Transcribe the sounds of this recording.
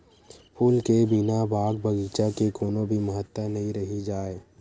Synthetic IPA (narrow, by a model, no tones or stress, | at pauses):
pʰuːlkebinabʱaːɡ̚bɐɡiːt͡ʃakekoːnõbʱiməɦət̪ːənɐɦĩɾɐɦid͡ʒaːeː